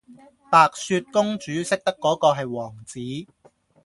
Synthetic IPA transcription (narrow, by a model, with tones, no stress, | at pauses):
paː˨k̚syː˧t̚kʊ˥ŋt͡ʃyː˨˥sɪ˥k̚t̪ɐ˥kːɔː˨˥kɔː˧ɦɐ˨jwɔː˨˩ŋt͡siː˨˥